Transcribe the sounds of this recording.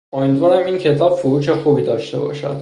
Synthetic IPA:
omid̪vɒːɾæmiːncʰe̞t̪ʰɒːbfoɾuːʃe̞xuːbiːd̪ɒːʃt̪e̞̰bɒ̰ːʃæ̰d̪̥

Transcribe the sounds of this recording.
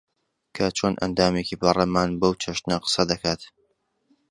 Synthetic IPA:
kʰɐt͡ʃʰoːnʔɐ̰nd̪aːmekiːbɐremaːnbɐwt͡ʃʰɐʃt̪nɐqɨ̥sɐd̪ɐkʰaːt̪

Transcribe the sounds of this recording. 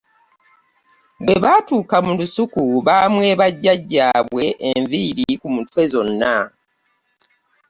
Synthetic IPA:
bweβaːtuːkamulusukuβamwe̞ːβaɟːaɟːaːβwe̞ʔeɱviɾikumutwe̞zo̞nːa

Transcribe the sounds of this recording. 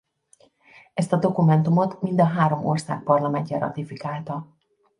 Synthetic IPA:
ɛst̪ɒd̪o̞kumɛnt̪umo̞t̪mind̪ɒɦaːɾo̞mo̞̰rsa̰ːk̚pɒrlɒmɛɲcɛɾɒ̰t̪ifikaːlt̪ɒ

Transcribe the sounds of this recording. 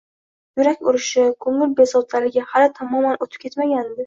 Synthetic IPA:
jʊɾakʲʊɾɪʃɪkʰʊŋʊlbesɒt̪ʰlaɾlɪɡʲahalat̪ʰamɒmanot̪ʰɪ̥p̚kʲʰe̞t̪maɡʲand̪ɪ

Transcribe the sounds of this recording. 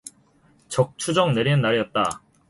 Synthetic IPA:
t͡ɕʌk̚t͡ɕʰud͡ʑʌŋneɾinɯnːaɾijʌt̚t͈a̰

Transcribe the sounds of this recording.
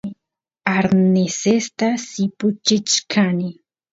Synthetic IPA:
aɾnesest̪asipʊt͡ʃɪt͡ʃkʰani

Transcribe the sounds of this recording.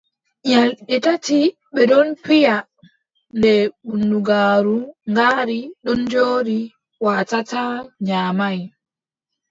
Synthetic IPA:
ɲalɗitati | ɓɛɗɔnpija | nɛɓunduɡaːɾuŋɡaːɾiɗɔnd͡ʒoːɾi | waːtataɲaːmaj

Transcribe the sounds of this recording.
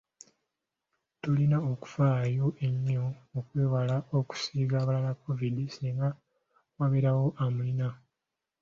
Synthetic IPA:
tulinaoku̥faːjo̞ʔe̞ɲːo̞okweːwalao̞ku̥siːɡaːβalalakːo̞vidisiiŋɡa | waβeɾawo̞ʔamulina

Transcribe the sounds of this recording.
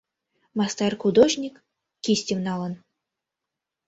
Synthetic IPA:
mast̪arxud̪oʒnʲik | kʲisʲtʲiwnɑlˠɤn

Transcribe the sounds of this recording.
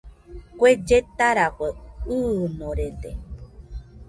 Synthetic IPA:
kʷed͡ʒet̪aɾakʷeɨnõɾed̪ḛ

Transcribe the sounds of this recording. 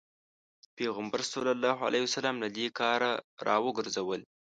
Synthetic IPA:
peɣambaɾsolalːɑɦa̰lʔahsalɑmlad̪ekɑɾaɾɑ̰wəɡəɾzawəl

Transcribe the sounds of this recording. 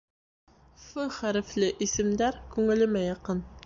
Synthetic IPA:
fɵχæɾɘ̆flɘʔisɘ̆md̪æɾkʉŋɘ̆lɘ̆mæjɑqɤn

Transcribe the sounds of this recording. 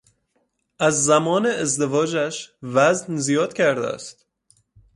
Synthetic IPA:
ʔæzːæmɒːneezd̪evɒːd͡ʒæʃvæznzijɒːd̪̥cʰæɾd̪æ̰st̪

